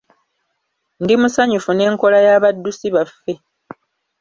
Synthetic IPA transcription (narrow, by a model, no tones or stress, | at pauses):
ndimusaɲufune̞ːŋko̞lajaːβadːusiβafːe̞